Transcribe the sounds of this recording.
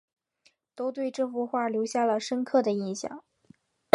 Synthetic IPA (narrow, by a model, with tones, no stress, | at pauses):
t̪o˥ʊt̪we˥˧ɪʈ͡ʂɤ˥˩fu˥˧xwa˥˩ljo˧˥ʊɕja˥˩lə˩ʂə˥nkʰɤ˥˩d̪ə˩i˥˩nɕjɑ̰˥˩˦ŋ